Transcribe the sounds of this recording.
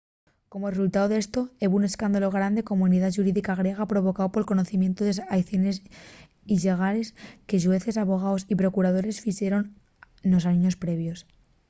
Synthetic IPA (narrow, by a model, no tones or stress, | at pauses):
ko̞mo̞result̪aoðe̞st̪o̞e̞βune̞skand̪alo̞ɣ̞ɾand̪e̞ko̞mouniðaʃuɾiðikaɣ̞ɾje̞ɣ̞apɾo̞β̞o̞kaopo̞lko̞no̞θimjent̪oðesajθjone̞s | iʎe̞ɣ̞ale̞ske̞ʝue̞θe̞saβo̞ɣ̞aosipɾo̞kuɾaðo̞ɾe̞sfiʃe̞ɾo̞n | losaniɲo̞spɾe̞βjo̞s